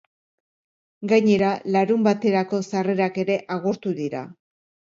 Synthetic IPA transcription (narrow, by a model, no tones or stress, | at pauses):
ɡaɲe̞ɾalaɾumbat̪e̞ɾako̞sare̞ɾake̞ɾe̞ʔaɣ̞uɾt̪uðiɾa̰